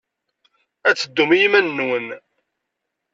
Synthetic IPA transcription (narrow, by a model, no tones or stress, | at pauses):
æt͡sːəd̪ːumijimænːwən